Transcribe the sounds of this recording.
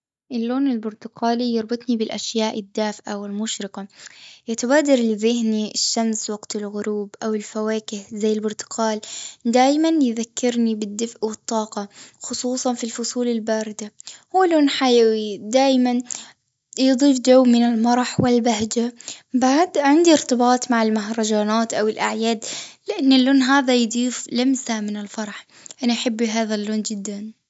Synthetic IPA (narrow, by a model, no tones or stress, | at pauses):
ʔɪlːoːnɪlbʊɾt̪ʊqaːlijɑɾˤbɨt̪ˤnibɪlʔaʃjaːʔɪd̪ːaːfʔawɪlmʊʃɾɪqajat̪abaːd̪ɑɾˤlɪðɪɦniɪʃːamswɑɡt̪ɪlɣʊɾuːbʔawɪlfawaːkɪhzajːɪlbʊɾt̪ʊ̥qʰaːld̪aːjmanjðakːɪɾnibɪd̪ːɪfʔwɨt̪ˤːɑːqɑxʊsˤuːsˤɑnfilfʊsˤuːlɪlbaːɾɪd̪ahuːloːnħajawid̪aːjman | jd̪ˤiːfd͡ʒawːmɪnɪlmɑɾˤɑħwɪlbaɦd͡ʒabaʕd̪ʕɪnd̪iɪɾt̪ɪbɑːt̪ˤmaʕɪlmaɦɾˤɑd͡ʒaːnaːt̪ʔawɪlʔaʕjaːd̪lɪʔanːɪlːuːnɦaːðajd̪ˤiːflamsamɪnɪlfɑɾˤɑħ | ʔanaʔaħɪbːiɦaːðalːoːnd͡ʒɪd̪ːan